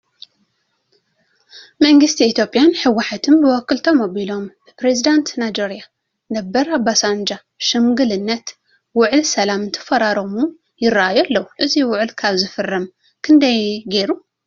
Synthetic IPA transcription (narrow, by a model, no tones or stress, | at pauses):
mɐŋɡɨst̪ʰiːt̪ʰjo̞pʼjanħɨwːaħat̪ʰɨnbɨwɔkʰːɨlt̪ʰomoβilo̞mb̥ɨpɾezid̪ant̪najd͡ʒeɾija | nɐbːɐɾabːasand͡ʒa | ʃɨmɡɨlɨnːɐt̪ | wʊʕɨlsɐlamɨnt̪ʰɨ̥fɐɾaɾomu | jɪraʔajualːɐwuʔɨziwʊʕɨlkʰaβzɨfɨrːɐm | kʰɨnd̪ɐjɡeɾu